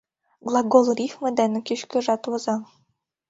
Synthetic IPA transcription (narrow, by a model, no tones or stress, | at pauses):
ɡlˠɑɡolˠrʲifmɘ̆d̪ænɘ̆kiʃkɘ̆ʒɑt̪wɤ̆zɑ